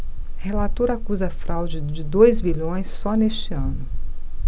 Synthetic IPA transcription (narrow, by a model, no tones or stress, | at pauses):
helat̪oɾɐakuzɐfɾʔawd͡ʒɪd͡ʒɪd̪ojzbiʎõj̃sːɔnest͡ʃɪɐ̃nʊ